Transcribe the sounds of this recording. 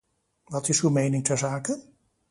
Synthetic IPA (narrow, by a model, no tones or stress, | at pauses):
ʋɑtɪsywmejnɪŋtʰɛɹzaːkən